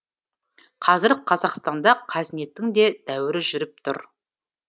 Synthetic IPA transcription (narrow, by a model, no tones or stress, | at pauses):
qʰɑzɪɾqʰɑzɑqst̪ɑnd̪ɑqʰæzɪne̞t̪ːɪŋd̪e̞d̪̥æwɪɾɪʒʏɾɪp̚t̪ʰʊ̰ɾ